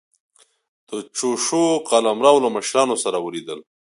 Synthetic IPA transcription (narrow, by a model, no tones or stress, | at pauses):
d̪̥ət͡ʃoʃoqalamɾɑːwləməʃɾɑːnosaɾawəlid̪əl